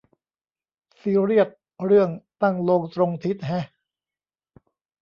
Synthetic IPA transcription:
siː˧˥ɾi˥˩ət̪̚ | ɾɯ˥˩əŋt̪a˥˩ŋloː˧ŋt̪ɾo˧ŋt̪ʰi˦˥t̪̚ɦɛ˦˥

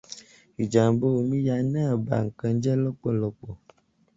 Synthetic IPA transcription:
i˨d͡ʒa˨m˨bo˦wo˨mĩ˦ja˨˦nã˦˨ba̰˨ŋ̩˨kɛ̃˨n̩˦d͡ʒɛ˦lɔ˦k͡pɔ˦lɔ˨k͡pɔ˨

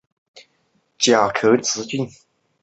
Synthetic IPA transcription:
t͡ɕja˨˩kʰɤ˨˥t͡sɹ̩˧˦t͡ɕi˥˨n

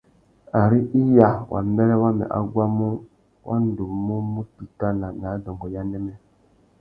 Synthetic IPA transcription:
a˨ɾi˦ʔi˦ja˦wʔa̰˨m˦me˦ɾe˦wa˦mɛ̰˨ʔa˦ɡʷa˦mu˦ | wʔa̰˦n̩˦du˨mu˦mu˦ti˨ta˦na˨na˨˦dɔ˨ŋ˨ɡɔ˨ja˦ne˦me˦

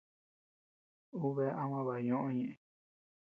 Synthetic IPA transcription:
u˦βe˦ʔã˦wã˦βa˨ɲõ˦ʔõ˦ɲẽ˧˨ʔĩ˧

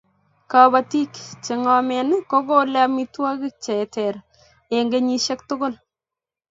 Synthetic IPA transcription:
ka˨ba˨ti˦kt͡ʃɪ˨ŋɔ˨mɛ˨n˦ko˦ko˦lɛ˦mi˦twa˦kɪ˦t͡ʃɛ˨tɛ˨ɾ | e˨ŋɡe˦ɲi˦ʃe˦k̚tʊ˦ɡʊ˦l

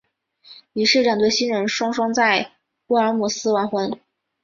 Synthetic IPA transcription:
i˨˩ʂɻ̩˥˩ʈ͡ʂɑ˨˩ŋt̪we˥˩ɪɕi˥nɻə˧˥nʂwɑ˥ŋʂwɑ˥ŋt͡sa˥˩ɪ | u˥˩ə˞˧˥mu˨˩sɹ̩˥wa˧˥nxwə˧˥n

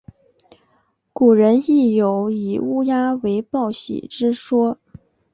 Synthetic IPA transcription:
ku˨˩ɻə˧˥ni˥˩jo˧˥ʊi˨˩u˥ja˥we˧˥ɪpɑ˥˩ʊɕḭ˨˩ʈ͡ʂɻ̩˥ʂwɔ˥

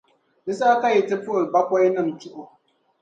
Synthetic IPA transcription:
nɪ˦saː˦ka˦jɪ˨tɪ˦po˦˨lba˦kʷa˦jnɨ˦m˨tʊ˦ʔo˨

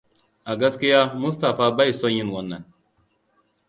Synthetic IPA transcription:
a˨ɡa˦ski˦ja˦mu˦sta˨fa˦ba˦i˨so˦ɲi˦n˨wo˦nːa˨n

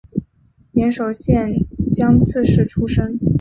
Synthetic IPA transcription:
ljɛ˧˥nʂo˨˩ʊɕjɛ˥˩n˨˩t͡ɕjɑ˥ŋt͡sʰɹ̩˥˧ʂɻ̩˥˩ʈ͡ʂʰu˥ʂɤ˥ŋ

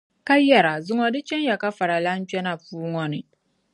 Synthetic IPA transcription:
ka˦jɛ˨ɾa˨zʊ˦ŋɔ̃˨dɪ˦t͡ɕʰɛ̃˦n˦ja˨ka˦fa˨ɾa˨lã˦n˦t͡ʃᶣɛ˦nã˨puː˦ŋɔ̃˨nɪ̃˨

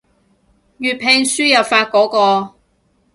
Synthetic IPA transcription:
jyː˨t̚pʰe˧ŋsyː˥jɐ˨pfaː˧t̚kɔː˨˥kɔː˧

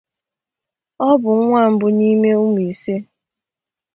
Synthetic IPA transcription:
ɔ˦bʊ˨˦ŋʷa˦˨m̩˦bʊ˦ni˦me˦u˦m˨i˨se˦

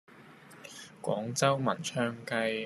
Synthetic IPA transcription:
kʷɔ̰ː˨˥ŋt͡sɐ˥wmɐ˨˩nt͡ʃʰœː˧˥ŋkɐ˧j

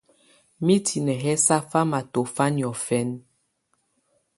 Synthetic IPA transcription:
mi˦tʰi˨nɛ˨ɦɛ˦sa˦fa˦ma˨to˨fa˦ni˨ɔ˨fɛ˦n

